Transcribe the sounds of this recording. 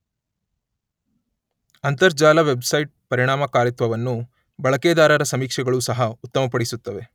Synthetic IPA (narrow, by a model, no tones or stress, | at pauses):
ɐnt̪ɐɾd͡ʒaːlɐʋe̞bsɐjʈ̚pɐɾiɳ̃aːmɐkaːɾit̪ʋɐʋɐnːu | bɐɭɐkeːd̪aːɾɐɾɐsɐmiːkʂɐɡɐɭusɐɦɐut̪ːɐmɐpɐɽisut̪ːɐʋe̞